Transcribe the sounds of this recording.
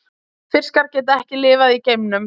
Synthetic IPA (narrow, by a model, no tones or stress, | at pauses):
fɪr̥skaɾcɛːt̪̬aɛhcɪlɪːvaðiceːjmnʏm